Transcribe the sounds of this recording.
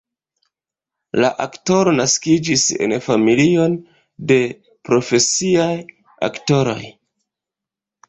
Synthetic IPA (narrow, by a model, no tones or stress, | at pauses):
la̰ʔakto̞ɾo̞naskid͡ʒise̞̰nfamilio̞n | de̞ | pɾo̞fe̞siaj | a̰kto̞ɾo̞̰j